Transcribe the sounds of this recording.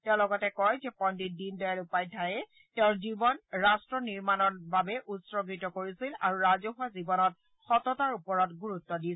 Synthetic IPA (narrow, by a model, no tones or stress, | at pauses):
tɛʊ̃lɔɡɔtɛkɔjzɛpɔndidindɔjalupajtʰajɛ | tɛʊ̃nzibɔnɹastɹɔniɹmanɔnbabɛʔutsɹɔɡitɔkoɹisila̰ɹuɹazoɦʊazibɔnɔt̚ | xɔtɔtaɹupɔɹɔtɡuɹutːɔdisɛ